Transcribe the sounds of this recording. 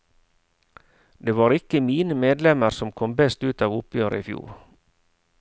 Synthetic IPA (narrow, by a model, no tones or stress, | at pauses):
d̪eːʋɑːɾɪkəmiːnəmeːd̪lɛməɾsɔmkʰɔmbɛst̪ʉːt̪ɑːʋʊpʰjøːɾə̰iːfjṵːɾ